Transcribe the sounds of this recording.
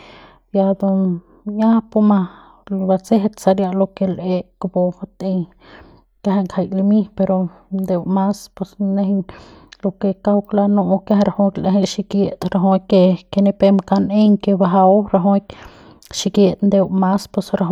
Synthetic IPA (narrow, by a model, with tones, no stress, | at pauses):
ja˧d̪o˧ | ɲa˦po˧ma˧ | ba˧t͡se˦ɦt̪sa˧ɾja˧lo˧ke˧le˧kbo˧a˧t̪e˧j | ka˦ɦe˧ŋkʰha˧jli˧mi˦pe˧ɾo˧ | nd̪e˧wma˦spwe˧sne˧ɦlo˧ke˧ka˦wkla˧no˧ka˦he˧ɾa˧ho˧klʔe˧ɦe˧ʃi˧kje˧t̪ɾa˧ɦo˧ke˧ke˧ne˧pe˧mka˧ne˦ŋke˧ba˧ɦa˧wɾa˧ɦo˧˦k | ʃi˧kje˧t̪nd̪e˧wma˦spwe˧sɾa˧ɦ